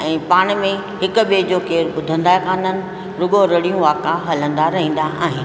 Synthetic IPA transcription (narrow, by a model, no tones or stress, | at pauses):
ɛ̃ːpaːɽ̃mẽ | ɦɪkʊɓeːd͡ʑoːkeːɾɓʊd̪ʱə̃nd̪aːekaːnənɪ̆ | ɾʊɡoɾɐɽijũʋaːkaɦɐlə̃nd̪aɾɐɦĩːnd̪aʔa̰ːɦɪn̆